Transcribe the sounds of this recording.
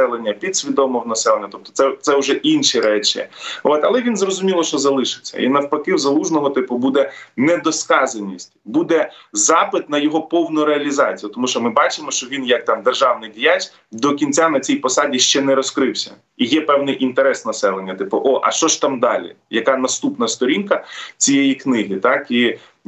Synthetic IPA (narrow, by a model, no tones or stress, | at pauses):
ɛlˠenʲːɐpʲid̪sʲʋʲid̪ɔmɔɦnɐsɛlˠenʲːɐt̪ɔp̚t̪ɔ̥sɛt̪sɛʊʒɛʔinʃiɾɛt͡ʃɪ̰ot̪ɐlˠɛʋʲinzrɔzʊmʲilˠɔʃt͡ʃɔzɐlˠɪʃɪ̥t͡sʲːɐ̰ʔḭnɐwpɐkɪwzɐlˠuʒnɔɦɔt̪ɪpʊbud̪ɛnɛd̪ɔskɑzɐnʲisʲtʲbud̪ɛzɑpɪt̪nɐjɔɦɔpɔwnʊɾeɐlʲizɑt͡sʲijʊt̪ɔmuʃt͡ʃɔmɪbɑt͡ʃɪmɔʃt͡ʃɔʋʲinjɐk̚t̪ɑmd̪erʒɑwnɪjdʲijat͡ʃ | d̪ɔkʲinʲt͡sʲanɐt͡sʲijpɔsɑdʲiʃt͡ʃɛnɛɾɔskɾɪwsʲɐ̰ | ijɛpɛwnɪjʔint̪eɾɛsnɐsɛlˠenʲːɐt̪ɪpʊʔɔʔɐ̰ʃt͡ʃɔʃt̪ɑmd̪ɑlʲḭ | jɐkɑnɐst̪upnɐst̪ɔɾʲinkɐt͡sʲijejiknɪɦit̪ɑki